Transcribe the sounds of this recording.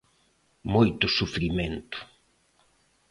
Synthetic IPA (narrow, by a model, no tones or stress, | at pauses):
mojt̪ʊsufɾimẽnt̪ʊ̥